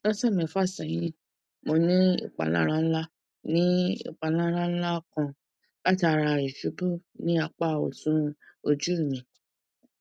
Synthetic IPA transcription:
nɔ̃˦sa˦˨mɛ̃˨fa˦˨sã˨j̃ĩ˦ | mo˧nĩ˦ḭ˨k͡pa̰˨la̰˦ɾa˦n̩˦la˦ | nĩ˦ḭ˨k͡pa˨la˦ɾa˦n̩˦la˦kã˧ | la˦ti˦a˧ɾa˧i˨ʃu˨˦bu˦˨nĩ˦a˧k͡pa˦˨o̰˨sũ˨˦o˧d͡ʒu˦˨mĩ˨

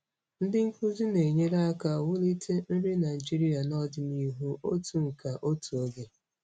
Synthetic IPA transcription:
n̩˦dɪ˦ŋ̩˦ku˦zu˦ne˨ɲe˦ɾa˦ka˨wʊ˦li˦tʰe˦n̩˦ɾi˦na˨ɪ˨d͡ʒi˦ɾi˦a˨nɔ˦dɪ˨n˦i˦ɦu˦o˦tu˨ŋ̩˨ka˨ʔo˦tu˨o˦ɡe˦

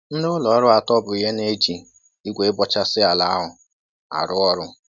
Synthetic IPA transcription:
n̩˦nʊ˦ʊ˦lɔ˨˦ɾʊ˦a˨tɔ˦bʊ˨i˨ɦe˦ne˦d͡ʒi˨ | i˦ɡʷe˨ɪ˦bɔ˦t͡ʃa˦sɪ˦a˨la˨a˦ɦʊ˨ | a̰˨ɾʊ˦ɔ˦ɾʊ˦

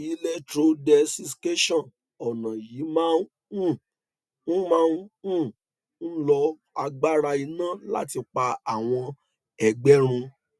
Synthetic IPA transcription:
i˨˦lɛ˦tɾo˧dɛ˧si˧ske˦ʃɔ̃˦˨n | ɔ˨nã˨ji˨˦mãː˦n˦ | ũ˦˨ | n̩˦mã˦ũ˦˨ | n̩˦lɔ˧ | a˧ɡ͡ba˦ɾa˧i˧nã˦˨la̰˦ti˧k͡pa˧a˨w̃ɔ̃˧ | ɛ˨ɡ͡bɛ˦ɾ̃ũ˧

